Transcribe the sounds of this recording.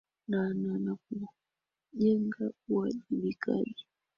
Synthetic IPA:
nananak̚u | ʄɛŋɡauwaʄiβika̰ɗi

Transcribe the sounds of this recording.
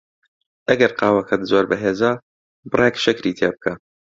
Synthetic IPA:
ʔɐɡɐɾqɑːwɐkʰɐt̪zoːɾbɐɦeːzaː | bɨrekʃɪkɾiːt̪ʰeːbɨkʰa

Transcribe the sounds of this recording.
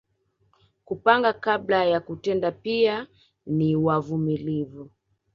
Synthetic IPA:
kupaŋɡakablajakutɛndapia | niwavumilivu

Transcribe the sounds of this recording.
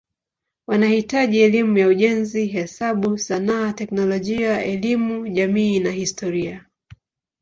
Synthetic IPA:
wanahitaʄiɛlimujauʄɛnziɦɛsaɓusanaːtɛknɔlɔʄiaɛlimuʄamiːnahistʰɔɾia

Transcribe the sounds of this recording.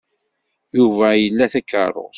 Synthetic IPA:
juvæjəlːæθækːə̰rˤo̰

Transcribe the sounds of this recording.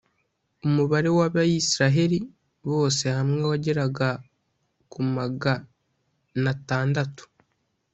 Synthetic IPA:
umuβaɾe̞waβajisiɾaɦe̞ɾi | βo̞ːse̞hamŋewaɟe̞ɾaɡa | kumaɡa | nataːndatu̥

